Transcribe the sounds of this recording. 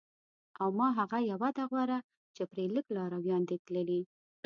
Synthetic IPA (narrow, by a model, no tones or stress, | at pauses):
awmɑɦaɣajawad̪aɣwaɾa | t͡ʃepɾeləklɑɾawjɑnd̪et̪ləli